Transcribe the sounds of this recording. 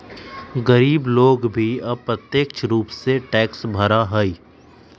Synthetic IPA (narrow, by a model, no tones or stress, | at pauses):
ɡəɾiːbloːɡbʱiɐpɾət̪jəkʃɾuːpseʈɛːksbʱɐɾaɦəiː